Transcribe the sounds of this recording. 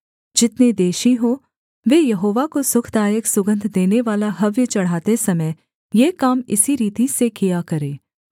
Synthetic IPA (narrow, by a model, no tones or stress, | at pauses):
d͡ʒɪt̪ned̪eːʃiɦoː | ʋeːjɐɦoːʋakosʊkʰd̪aːjəksʊɡə̃nd̪ʱd̪eːneʋaːlaɦɐʋjət͡ʃɐɽ̤aːt̪esɐməj | jeːkaːmɪ̰siɾiːt̪isekijakɐɾeː